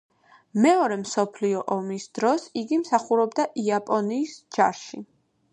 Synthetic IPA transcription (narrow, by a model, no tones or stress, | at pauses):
mɛɔɾɛmsɔpʰliɔʔɔmisd̪ɾɔsiɡimsaχuɾɔbd̪aʔiapʼɔniːsd͡ʒaɾʃi